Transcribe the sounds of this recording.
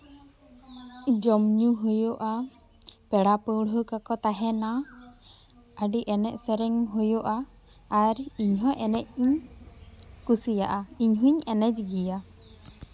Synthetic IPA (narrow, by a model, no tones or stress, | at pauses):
d͡ʒɔmɲuɦujoʔa | pɛɽapəwɽɦukakɔt̪aɦɛna | əɖiʔɛnɛʔ̪̚sɛɾɛŋɦujoʔaː | ɾiɲɦɔʔɛnɛc̚iɲ | kusija̰ʔaiɲɦuɲɛnɛd͡ʒɡija